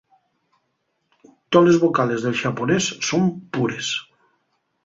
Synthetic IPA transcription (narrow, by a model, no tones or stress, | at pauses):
t̪olezβokalezðelʒaponesːompuɾes